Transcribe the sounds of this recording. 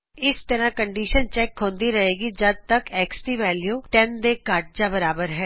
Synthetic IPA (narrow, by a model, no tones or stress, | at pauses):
ɪst̪əɾãːkəɳɖiːʃənt͡ʃɛːkɦõːnd̪iːɾəɦeːɡid͡ʒəd̪̚t̪əkɛːksʈ̪iːʋɛːljuːʈɛnd̪eːkaːʈ̚d͡ʒaːbəɾaːbəɾɦɛː